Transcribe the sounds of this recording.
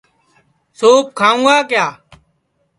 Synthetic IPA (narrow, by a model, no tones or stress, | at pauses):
soːp̚kʰaːũːɡaːkjaː